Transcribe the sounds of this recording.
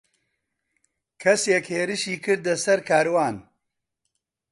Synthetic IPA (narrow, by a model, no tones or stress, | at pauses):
kʰɐseːkheːɾɨʃiːkɨɾd̪lɐsɐɾkʰaːɾwaːn